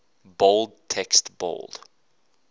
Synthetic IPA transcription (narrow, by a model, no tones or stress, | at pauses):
bold̚tʰɛkstbo̰ld̥